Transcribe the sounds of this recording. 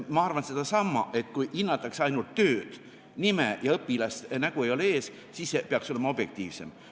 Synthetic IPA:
mɑɑrvɑnse̞d̪̥ɑsɑmːɑʔe̞t̪ˑkujʔinːɑt̪ːˑɑksɑjnult̪ːø̞ːd̪̥ | nimejɑɤpːˑilɑst̪næɡue̞jo̞lee̞ːs | siːsːepeɑkso̞le̞mɑo̞b̥je̞k̚t̪iːvse̞̰m

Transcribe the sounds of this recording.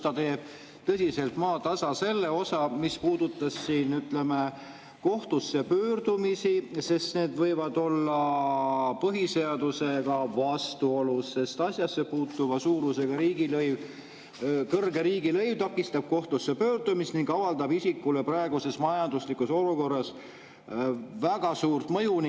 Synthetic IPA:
t̪ɑt̪e̞ːb̥̚ | t̪ɤsʲise̞lt̪mɑːt̪ɑsɑse̞lːe̞o̞sɑmispuːd̪̥ut̪ˑːɑsːiːnyt̪le̞me | ko̞ht̪usːepø̞ːrd̪̥umisise̞st̪ne̞ːd̪vɤ̞jvɑd̪o̞lːɑ | pɤɦise̞ɑd̪̥use̞ɡ̥ɑvɑst̪uo̞lusːe̞st̪ɑsʲjɑsːepuːt̪ːˑuvɑsuːɾuse̞ɡ̥ɑɾiːɡilɤjv | kɤrɡe̞ɾiːɡilɤ̞jvt̪ɑkːˑist̪ɑb̥̚ko̞ht̪usːepøːrd̪umist̪niŋɡɑvɑld̪ɑbisikːˑuleprɑe̞ɡ̥use̞smɑjɑnd̪uslikuso̞luko̞rːɑs | væɡ̥ɑsuːrt̪mɤjun

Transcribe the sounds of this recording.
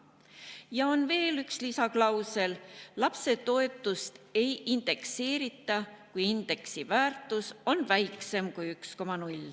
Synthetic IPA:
jɑonve̞ːlykslisɑklɑwse̞llɑpse̞t̪o̞e̞t̪ːˑust̪e̞jind̪̥e̞kse̞ːɾit̪ːˑɑkujind̪̥e̞ksivæːrt̪ːˑuso̞nvæjkse̞mkujyksko̞mɑnulʲ

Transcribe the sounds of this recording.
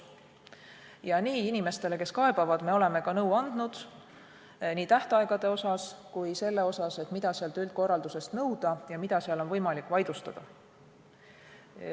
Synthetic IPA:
jɑniːinime̞st̪e̞le̞ke̞skɑe̞b̥ɑvɑd̪̥me̞o̞le̞me̞kɑnɤwɑnd̪̥nud̪̥ | niːt̪æht̪ɑeɡ̥ɑd̪̥e̞o̞sɑskujse̞lːe̞o̞sɑse̞t̪mid̪̥ɑseɑlt̪ylt̪̚ko̞rːɑld̪̥use̞st̪nɤwd̪̥ɑjɑmid̪̥ɑseɑlo̞nvɤjmɑlikːˑvɑjd̪̥ust̪ɑd̪̥ɑ

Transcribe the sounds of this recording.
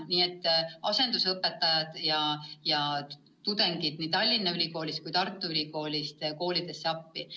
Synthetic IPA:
niːet̪ˑːɑse̞nd̪usɤpːet̪ːɑjɑd̪̥jɑjɑ | t̪ud̪̥e̞ŋɡid̪̥niːt̪ɑlʲːinːɑylʲiko̞ːlʲist̪kujt̪ɑrt̪ːˑuylʲiko̞ːlʲist̪ko̞ːlʲid̪̥e̞sːeɑpːi

